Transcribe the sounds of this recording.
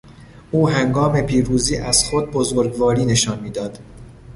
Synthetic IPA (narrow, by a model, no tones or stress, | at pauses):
ʔuːɦæŋɡɒːme̞pʰiːɾuːziːʔæz̥xod̪̚bo̞zoɾɡvɒːɾiːne̞ʃɒːnmiːd̪ɒːd̪̥